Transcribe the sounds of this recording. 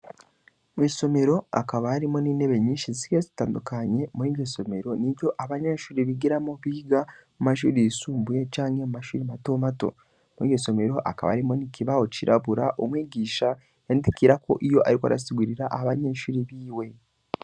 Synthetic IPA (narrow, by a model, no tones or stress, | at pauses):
mwiːso̞me̞ɾo̞a̰kaβahaɾimo̞nineβeɲiːʃizi̥kezi̥taːndukaɲe̞muhiːɡeso̞me̞ɾo̞niβjo̞ʔaβaɲeʃuɾiβiɡiɾamoβiːɡamumaʃṵɾisuːmbujet͡ʃaːŋemumaʃuɾimatomato̞̰ | muiɡeso̞me̞ɾo̞ʔa̰kaβa̰ɾimo̞nikʰiβaho̞ciɾʔaβuɾaʔomwiːɟiːʃa | jendikiɾakʰo̞̰ʔijo̞ʔaɾikoa̰ɾa̰siɡuɾiɾaʔaaβaɲeʃuɾiβiːwe̞